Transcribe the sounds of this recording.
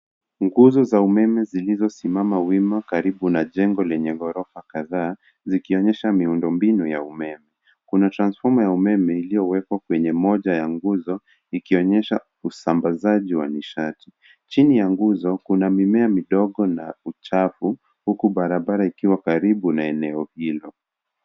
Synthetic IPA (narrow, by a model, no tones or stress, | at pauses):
ŋɡuzɔzaumɛmɛzilizɔsimamawimakaɾiɓunaʄɛŋɡɔlɛɲɛɣɔɾɔfakaðaː | zikiɔɲɛʃamiundɔmbinujaumɛmɛ | kunatɾansfɔmujaumɛmɛilijɔwɛkwakwɛɲɛmɔʄajaŋɡuzɔ | ikiɔɲɛʃa | usambazaʄiwaniʃati̥ | t͡ʃinijaŋɡuzɔkunamimɛamiɗɔɠɔnaut͡ʃafu | hukuɓaɾaɓaɾaikiwakaɾiɓunaɛnɛɔhilɔ